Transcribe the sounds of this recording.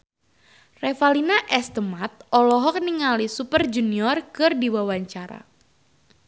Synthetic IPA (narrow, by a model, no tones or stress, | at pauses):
refalinaʔɛst̪əmat̪̚ɔlɔɦɔk̚niŋalisupərd͡ʒuniɔrkɨrdiwawaɲt͡ʃaɾa̰